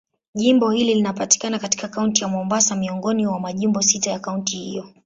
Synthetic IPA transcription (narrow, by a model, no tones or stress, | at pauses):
ʄimbɔhililinapati̥kanakati̥kakauntijamwɔmbasamiɔŋɡɔniwamaʄimbɔsitajakauntihḭjɔ